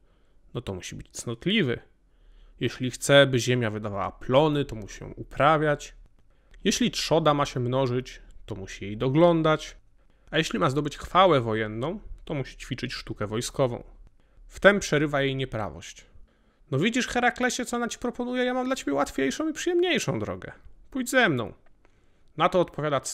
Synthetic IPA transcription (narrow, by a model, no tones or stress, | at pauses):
nɔt̪ɔmuɕibɘt͡ɕt̪snɔt̪lʲivɘ̰ | jeɕlʲixt̪sɛbɘʑɛmʲjavɘd̪ava̰wa̰plɔnɘt̪ɔmuɕijɔ̰̃w̃ʔupɾavʲjat͡ɕ | jeɕlʲitʂɔd̪amaɕɛmnɔʐɘt͡ɕt̪ɔmuɕijejd̪ɔɡlɔnd̪at͡ɕ | ajeɕlʲimazd̪ɔbɘt͡ɕxfawɛvɔjɛnːɔ̃w̃t̪ɔmuɕi̥t͡ɕfʲit͡ʂɘt͡ɕʂt̪ukɛvɔjskɔvɔ̰̃w̃ | ft̪ɛmpʂɛɾɘvajejɲɛpɾa̰vɔ̰ɕt͡ɕ | nɔvʲid͡ʑiʂxɛɾaklɛɕɛt̪sɔnat͡ɕi̥pɾɔpɔnujɛjamamd̪lat͡ɕebʲjɛwat̪fʲejʂɔ̃w̃ipʂɨjɛmɲejʂɔ̃w̃d̪ɾɔ̰ɡɛ̰pujd͡ʑzɛmnɔ̰̃w̃ | nat̪ɔːt̪̚pɔvjad̪a